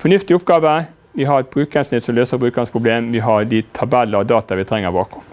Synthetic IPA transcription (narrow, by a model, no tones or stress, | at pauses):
fɔɳʏft̪ɪʊpɡɑːʋə | ʋɪɦɑɾɛt̪̚b̥ɾʉːkɛnsnɪt̪sɔmløːsəbɾʉːkəɾənspʰɾʊbleːmʋɪɦɑɾd̪ɪt̪ʰɑbɛlːəɾd̪ɑːt̪ɑʋɪt̪ʰɾɛŋːəɾbɑːkʊm